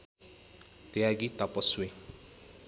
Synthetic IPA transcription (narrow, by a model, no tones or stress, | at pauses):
t̪eaɡit̪apɔsuwe